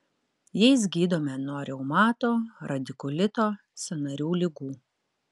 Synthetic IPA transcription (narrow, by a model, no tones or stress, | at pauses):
jɛɪs̬ɡʲiːd̪oːmʲɛnɔɾʲɛʊmɑːt̪oːɾɐd̪ʲɪkʊlʲɪt̪oː | sʲɛnɐɾʲuːlʲɪɡuː